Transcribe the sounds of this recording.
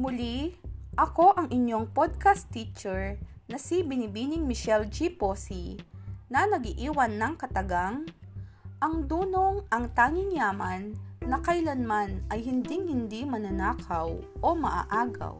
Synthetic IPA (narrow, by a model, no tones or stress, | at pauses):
mʊliʔɐko̞ʔɐŋɪɲjo̞ŋpod̪̚kast̪ːit͡ʃɛɹnɐsibɪnibinɪŋmɪʃɛld͡ʒiposinɐnɐɡiʔiːwɐnːɐŋkɐt̪ɐɡaŋ | ʔɐŋd̪uːnoŋɐŋt̪aːŋɪŋjaːmɐnːɐkɐjlɐnmanʔɐjhɪnd̪iŋhɪnd̪imɐnɐnaːkʰɐwʔomɐʔa̰ʔaːɡɐ̰w